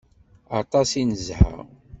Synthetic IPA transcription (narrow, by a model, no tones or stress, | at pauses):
ɑt̪ˤɑsinəzha̰ʁ